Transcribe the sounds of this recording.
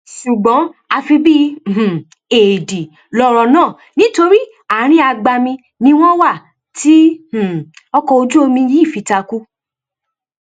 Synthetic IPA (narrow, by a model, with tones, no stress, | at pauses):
ʃu˨ɡ͡bɔ̃˨˦a˧fi˧bi˦˨h̩˨ | e˨di˨ | lɔ˧ɾɔ˧nãː˦˨ | nĩ˨˦to˧ɾi˦ | a˦˨ɾ̃ĩ˦a˧ɡ͡ba˧mĩ˧ | nĩ˦w̃ɔ̃˦wa˦˨ | ti˨˦h̩˨ɔ˦kɔ˧o˧d͡ʒu˦o˧mĩ˧ji˦˨fi˨˧ta˧ku˦